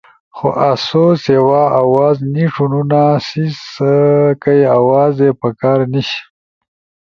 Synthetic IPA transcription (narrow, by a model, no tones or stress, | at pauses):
xo̰ʔasosewɑawɑːzniʂununasis | kajeawɑzepəkɑːɾniɕi̥